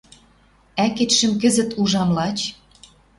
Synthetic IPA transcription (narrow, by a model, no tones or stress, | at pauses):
æket̪ʃə̆mkə̆zə̆t̪uʒɑmlɑt͡ɕ